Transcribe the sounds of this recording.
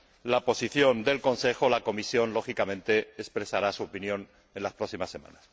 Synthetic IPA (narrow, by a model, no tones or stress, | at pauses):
lapo̞siθjo̞nd̪e̞lko̞nse̞xolako̞misjo̞nlo̞xikamẽ̞nt̪e̞ːspɾe̞saɾasuopinjõ̞n | ẽ̞nlaspɾoksimasːe̞mã̰nas